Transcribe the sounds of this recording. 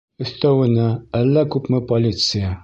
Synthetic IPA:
ɵ̆θt̪æwɘ̆næælːækʉpmɘpolʲit̪sɨja

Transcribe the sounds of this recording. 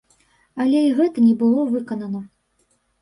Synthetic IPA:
ɐlʲɛiɣɛt̪ɐnʲɛbɨlˠɔvɨkɐnɐnɐ

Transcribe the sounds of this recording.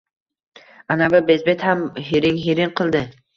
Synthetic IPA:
anavɪbezbet̪hamɦiɾɪŋɦiɾɪŋqʰɨlˠd̪ɪ

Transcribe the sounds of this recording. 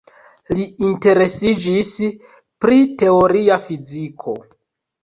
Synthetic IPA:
liinte̞ɾe̞sid͡ʒis | pɾite̞o̞ɾiafizikʰo̞̰

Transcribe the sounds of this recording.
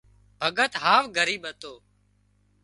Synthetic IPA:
bʱəɠət̪ɦaːʋɡʱəɾiːɓət̪oː

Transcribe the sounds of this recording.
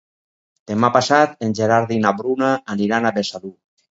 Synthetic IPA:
d̪̥emapasat̪enʲʒeɾaɾðinaβɾunaːniɾanaβesalu

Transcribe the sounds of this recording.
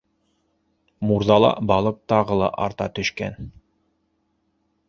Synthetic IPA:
muɾðɑlˠɑ̰bɑlˠɤq̚t̪ɑʁɤlˠɑ̰ʔɑ̰ɾt̪ɑt̪ɵ̆ʃkæ̰n

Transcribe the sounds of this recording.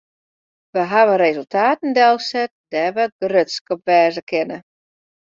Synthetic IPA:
ʋəɦaʋəɾezəlˠtʰaːtn̩dɛlˠsɛt̚d̥ɛʋəɡərøtskɔpʋɛːzəkʰɪnə

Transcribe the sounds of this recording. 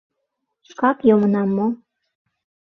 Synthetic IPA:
ʃkɑkjomənɑmːo

